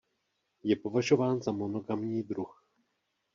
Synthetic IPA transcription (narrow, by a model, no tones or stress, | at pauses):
jɛpo̞vaʒo̞vaːnzamo̞noɡamɲiːd̪ɾux